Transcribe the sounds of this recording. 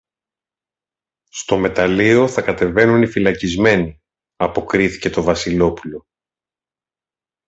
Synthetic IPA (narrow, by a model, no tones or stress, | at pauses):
st̪o̞me̞t̪ɐlio̞θɐkɐt̪e̞ve̞nunifilɐcizme̞ni | ɐpo̞kɾiθi̥ce̞t̪o̞vɐsilo̞pulo̞